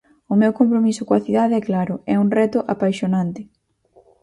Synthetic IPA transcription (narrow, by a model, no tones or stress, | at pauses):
ʊmewkompɾomisʊkoɐθiðaðeɛklaɾʊɛuŋrɛt̪ʊʔapajʃonãnt̪ɪ